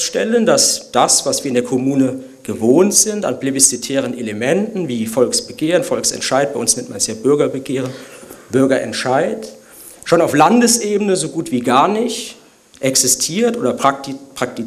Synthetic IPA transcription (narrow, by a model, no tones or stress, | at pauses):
ʃtɛləndasd̥asv̥asv̥iːɐɪndeːɐkʰomuːnə | ɡ̥əvoːntz̥ɪntanplebisitʰɛːʁ̞ənʔeləmɛntn̩viːfɔlksb̥əɡeːʁənfɔlksɛ̰ntʃaɪt̚b̥aɪʊnsnɛmtmansjaːbʏɐɡɐbəɡeːʁənb̥ʏɐɡɐʔɛ̰ntʃaɪt | ʃoːnaʊflandəsʔeːbənəzoɡuːtv̥iːɡaɐnɪçt | ʔɛksɪstʰiːɐtʔoːdɐpʁ̥ak̚ti